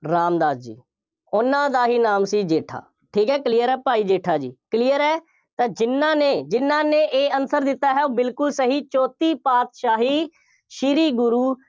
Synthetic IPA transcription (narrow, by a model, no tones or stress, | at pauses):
ɾaːmd̪aːd̪d͡ʒḭː | ʊnãːd̪aːɦiːnaːmsiːd͡ʒeːʈʰa̰ː | ʈʰiːkɦɛːkliːjəɾɛːpaːiːd͡ʒeːʈʰaːd͡ʒḭːkliːjəɾɛː | t̪ãːd͡ʒɪnːãːneːd͡ʒɪnːãːneːʔeːənsəɾd̪ɪt̪ːaːɦɛːoːbɪlkʊlsəɦiːt͡ʃɔːt̪iːpaːt̪ʃaːɦiː | ʃɪɾiːɡʊɾuː